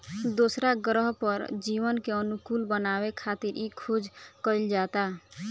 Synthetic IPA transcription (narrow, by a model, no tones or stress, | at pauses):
d̪osɾaɡɾəɦpəɾd͡ʒiwənkeənukulbənaβekʰat̪iɾʔikʰud͡ʒkəɪld͡ʒat̪a